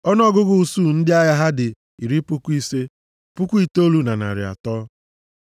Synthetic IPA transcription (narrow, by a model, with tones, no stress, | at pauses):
ɔ˦n˦ɔ˦ɡʊ˦ɡʊ˨u˦su˦˨n̩˦dɪ˦a˦ja˦ɦa˦dɪ˨ | i˨ɾi˦pʊ˦ku˦i˦se˦ | pʊ˦kʷu˦i˨to˦lu˦na˨na̰˨ɾɪ̰˨a̰˨tɔː˦